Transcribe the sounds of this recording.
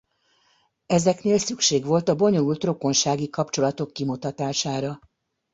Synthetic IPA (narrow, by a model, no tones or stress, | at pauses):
ɛzɛkneːlsykʃeːɡʋo̞lt̪ɒbo̞ɲo̞lult̪ro̞ko̞nʃaːɡikɒpt͡ʃo̞lɒt̪o̞kːimut̪ɒt̪aːʃaːɾɒ